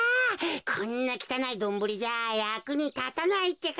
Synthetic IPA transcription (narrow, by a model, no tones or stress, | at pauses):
kʰõnːakʲi̥t̪anaid̪õ̞mbɯ̟ɾʲiʑajakɯ̟ɲ̟it̪at̪anait̪ːe̞k